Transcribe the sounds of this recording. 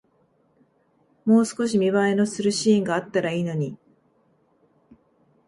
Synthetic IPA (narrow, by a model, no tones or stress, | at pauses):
mo̞ːsɨ̥ko̞ɕ̬imʲiβaeno̞sɨɾɯ̟ɕĩːŋɡaːt̪ːaɾaiːno̞ɲ̟i